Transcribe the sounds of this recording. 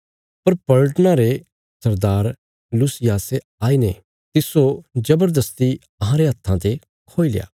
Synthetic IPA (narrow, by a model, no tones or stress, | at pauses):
pɐɾpɐɭʈnãɾe | sɐɾd̪aːɾ | lusɪjaːse | aːine | t̪ɪsod͡ʒɐbəɾd̪əst̪i | ɐɦãɾeɦɐt̪ʰːãt̪e | kʰoːil̰ja̰ː